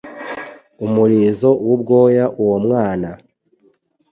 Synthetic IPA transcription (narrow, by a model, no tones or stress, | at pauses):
umuɾiːzo̞wubɡo̞ːjaʔuwomŋaːna